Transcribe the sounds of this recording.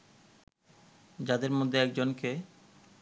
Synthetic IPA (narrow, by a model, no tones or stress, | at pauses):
d͡ʑad̪eɾmod̪ʱːeɛk̚d͡ʑonke